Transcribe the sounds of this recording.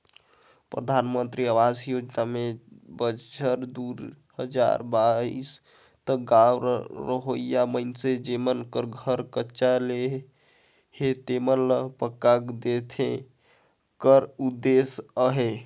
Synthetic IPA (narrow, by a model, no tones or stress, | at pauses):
pɾəd̪ʱanmənt̪ɾiəwad͡ʒjod͡ʒnamebət͡ʃəɾd̪uɾ | həd͡ʒa̰ɾbais | t̪əɡawɾɾəɦojjaməɪnsed͡ʒemənkəɾɡʱəɾkətːʃale | het̪emənləpəkːakd̪et̪ʰẽ | kəɾud̪ːesəɦe